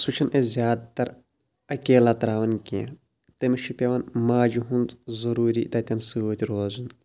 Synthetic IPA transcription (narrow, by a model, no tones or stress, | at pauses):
sut͡ʃʰɐnʔezʲjaːd̪̚t̪ɐɾ | ɐkʲeːlat̪ɾaːʋɐnkiã̰ | t̪emiʃʰipʲɐʋɐnmaːd͡ʒuɦunt͡s̪zɐɾuːɾiːt̪ɐt̪ʲɐnsɨoːt̪ʲiɾoːzun